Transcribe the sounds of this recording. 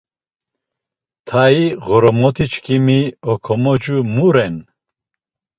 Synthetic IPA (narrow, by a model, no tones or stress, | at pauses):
t̪ʰaiʁɔɾɔmɔt̪ʰit͡ʃʰkʰʼimiɔkʰɔmɔd͡ʒumuɾɛn